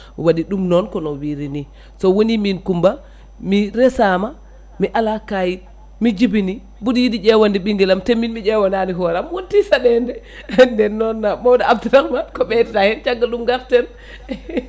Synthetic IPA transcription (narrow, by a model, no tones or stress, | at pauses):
waɗiɗumnɔnkɔnɔwiɾini | sɔwoniminkumba | miɾɛsama | miʔalakaji | mid͡ʒibini | budijidid͡ʒɛwandiɓiŋɡɛlamtemːinmid͡ʒɛwananiɦɔɾamwotːisaɗɛndɛ | ndɛnːɔnːamɔwdaabduɾakmankɔɓɛtitahɛnt͡ʃaɡːaɗumɡaɾtɛn